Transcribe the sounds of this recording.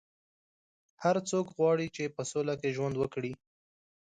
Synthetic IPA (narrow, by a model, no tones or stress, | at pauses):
haɾt͡sokɣwɑɽit͡ʃepəsolakeʒwand̪wəkɽi